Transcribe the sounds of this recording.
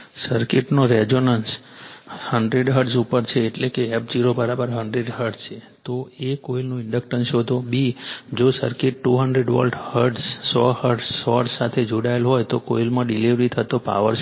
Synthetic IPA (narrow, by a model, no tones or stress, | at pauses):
səɾkɪʈnoɾɛd͡ʒonəns | həɳɖɾeɖɦəɾɖsupəɾt͡ʃʰeːʈlekeɛp̚d͡ʒiɾobəɾabəɾɦəɳɖɾeɖɦəɾɖt͡ʃʰe | t̪oekoilnũɪɳɖək̚ʈənʃot̪obid͡ʒosəɾkɪʈːuɦəɳɖɾeɖʋə̰lɖhəɾɖssɔhəɾɖsːɔɖssat̪ʰed͡ʒoɽajəlɦɔjt̪okoilmãɖiliʋɾit̪ʰət̪opa̰ʋəɾ